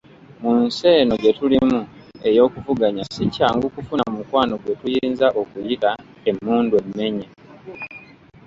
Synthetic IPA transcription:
munse̞ːno̞ɟe̞tulimu | e̞jo̞ːkuvuɡaɲasicaːŋɡukufunamukwaːno̞ɡwe̞tujiːnzaʔo̞kujita | e̞mːuːndwe̞mːe̞ɲe

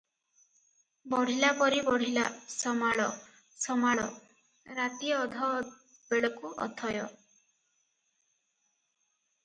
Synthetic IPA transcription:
bɔɽ̤ilapɔɾibɔɽ̤ilasɔmaɭɔ | sɔmaɭɔ | ɾat̪iɔd̪ʱɔ | beɭɔkuʔɔ̰t̪ʰɔjɔ

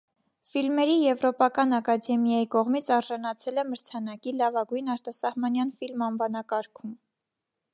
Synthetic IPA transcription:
filmɛɾijɛvɾɔpɑkɑnɑkɑd̪ɛmjɑjikɔʁmit͡sʰɑɾʒɑnɑt͡sʰɛlɛməɾt͡sʰɑnɑkilɑvɑɡujnɑɾt̪ɑsɑhmɑnjɑnfilmɑnvɑnɑkɑɾkʰum

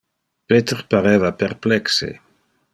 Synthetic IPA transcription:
pet̪erpaɾeːvaperplɛksḛ

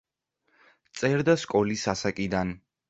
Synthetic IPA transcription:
t̪sʼɛɾd̪askʼɔlisasakʼid̪an

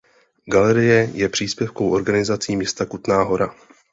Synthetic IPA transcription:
ɡalɛɾɪjɛjɛpr̝̥iːspjɛfkowʔo̞ɾɡanɪzat͡siːmɲɛst̪akut̪naːɦo̞ɾa

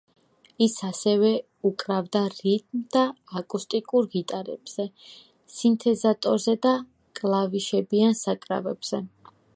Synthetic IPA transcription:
isasɛvɛ | ukʼɾavd̪aɾit̪ʼmd̪aː | kʼust̪ʼikʼuɾɡit̪ʼaɾɛ̰b̥z̥ɛ | sint̪ʰɛzat̪ʼɔɾzɛd̪a | kʼlˠaviʃɛbiansakʼɾa̰vɛbz̥ɛ

